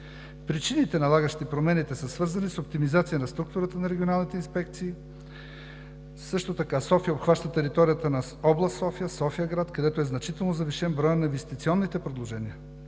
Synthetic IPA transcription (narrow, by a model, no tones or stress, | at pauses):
pɾit͡ʃinit̪ɛnɐlˠaɡəʃt̪ipɾomɛnit̪ɛsəsvɤɾzɐnisop̚t̪imizat̪sijənɐst̪ɾuk̚t̪uɾət̪ənɐɾɛɡʲionalˠnit̪ɛinspɛkt̪siː | sɤʃt̪ot̪ɐkasɔfijəopxvaʃt̪ət̪ɛɾit̪ɔɾijət̪ənɐ | ɔblˠɐst̪ɔfijəsɔfijəɡɾat̪kɐd̪ɛt̪oɛznɐt͡ʃit̪ɛlˠnozɐviʃɛnbɾɔjənɐĩɱvɛst̪it̪siɔnːit̪ɛpɾɛd̪lˠoʒɛniə